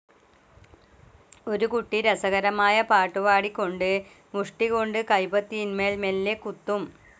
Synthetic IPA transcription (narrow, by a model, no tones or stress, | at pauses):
o̞ɾukuʈːiɾɐsɐɣɐɾɐmaːjɐpaːʈːuʋaːɽikʲːo̞ɳɖɨ | muʂʈiɣo̞ɳɖɨkɐjbɐt̪ːiinmeːlmelːekut̪ːum